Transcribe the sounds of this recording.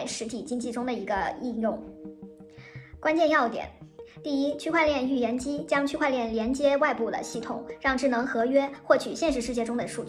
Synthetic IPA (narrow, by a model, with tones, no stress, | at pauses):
ɪʂɻ̩˧˥t̪ʰi˨˩t͡ɕi˥ŋt͡ɕi˥˩ʈ͡ʂʊ˥ŋd̪ə˨˩i˧˥ɡə˧i˥˧njʊ˥˩ŋ | kwa˥nt͡ɕjɛ˥˧njɑ˥˩ʊt̪jɛ̰˨˩˦nt̪i˥˩i˥t͡ɕʰy˥˧kʰwa˥˧ɪljɛ˥˧ny˥˩jɛ˧˥nt͡ɕi˥t͡ɕjɑ˥ŋt͡ɕʰy˥kʰwa˥˧ɪljɛ˥˩nljɛ˧˥nt͡ɕjɛ˥wa˥˧ɪpu˥˩d̪ə̰˩ɕi˥˩t̪ʰʊ̰˨˩˦ŋɻɑ˥˧ŋʈ͡ʂɻ̩˥˩nɤ˧˥ŋxɤ˧˥ɥɛ˥xwɔ˥˩t͡ɕʰy˨˩ɕjɛ˥˧nʂ̬ɻ̩˥˧ʂɻ̩˥˧t͡ɕjɛ˥˩ʈ͡ʂʊ˥ŋd̪ə˨ʂu˥˧t͡ɕ